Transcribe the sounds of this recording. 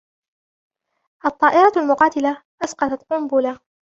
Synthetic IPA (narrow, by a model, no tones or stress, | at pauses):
ʔɑt̪ˤːɑːʔɪɾˤɑalmʊqɑːt̪ɪlaʔasqɑt̪ɑt̪qʊmbʊla